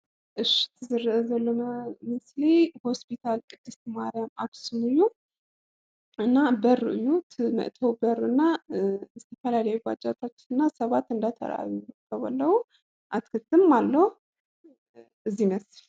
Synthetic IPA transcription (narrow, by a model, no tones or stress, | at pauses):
ʔɨʃt̪ʰzzəlːəməmɨsleho̞spit̪ʰalɨd̪ːɨst̪maɾijamaksunɨju | ʔɨnːabərɨɨjut̪mə̰ʔt̪ʰəwbərɨnːazət̪ʰəfəlaləjuɡʷa̰t͡ʃʼːat̪ʰat͡ʃːɪnɨnːasəβat̪ːɨnd̪at̪ʰə̰ɾ̰a̰jukʰəβəlːəwu | ʔat̪kʰət̪ːɨmːalːəh | ʔɨzːiməs